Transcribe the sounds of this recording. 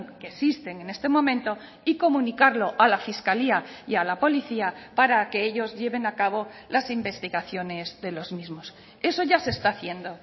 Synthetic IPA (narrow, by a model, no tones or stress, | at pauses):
ŋkesist̪e̞ŋe̞ne̞st̪e̞mõ̞mẽnt̪o̞ | iko̞mũnikaɾlo̞ʔalafiskaliajalapo̞liθiapaɾake̞eʎo̞zʎe̞βe̞nakaβ̞o̞lasimbe̞st̪iɣaθjo̞ne̞zðe̞lo̞zmizmo̞s | e̞so̞ʝase̞st̪aθje̞nd̪o̞